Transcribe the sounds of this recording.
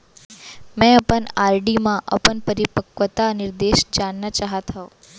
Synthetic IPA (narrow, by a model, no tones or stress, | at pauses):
mɛ̃əpəɳaɾɖimãʔə̰pəɳpəɾipəkʋət̪anɪɾd̪eʃd͡ʒanːat͡ʃaɦət̪ʰao